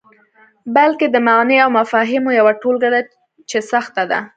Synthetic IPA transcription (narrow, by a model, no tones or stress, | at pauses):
balked̪əmaɣneawmafɑɦɪmojawaʈolɡaɽa | t͡ʃesaxt̪ad̪a̰